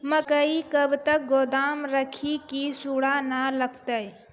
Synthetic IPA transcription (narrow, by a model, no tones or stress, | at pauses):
məkəikəbt̪ək̚ɡoːd̪aːmɾəkʰikisuɽanaləɡt̪əj